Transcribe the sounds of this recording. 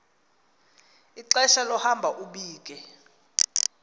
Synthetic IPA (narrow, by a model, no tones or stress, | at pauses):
iǁɛʃalɔhambʱaʔuɓiːk̬ʼɛ